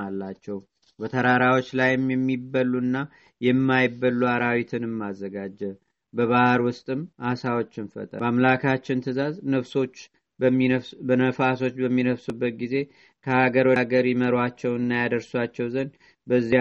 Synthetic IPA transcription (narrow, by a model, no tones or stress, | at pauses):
alːat͡ʃːɛw | bət̪ʰəɾaɾawo̞t͡ʃːlajɪmjɛmːibəlːunːa | jɛmːajɪbːəlːuaɾawit̪ʰɨnɨmːazːəɡad͡ʒːɛ | bəβahɾwʊst̪ʼɨmʔasawot͡ʃːɨnfə̰t̪ʼə̰amlakʰat͡ʃːɪnt̪ʰɨzaznəfso̞t͡ʃː | bbənəfaso̞t͡ʃːbəmːinəfsubːət̪̚ɡize̞ | kʰəhaɡəɾwɡəɾjɛməɾwat͡ʃːɛwɨnːajad̪əɾswat͡ʃːɛwzən | bəzːi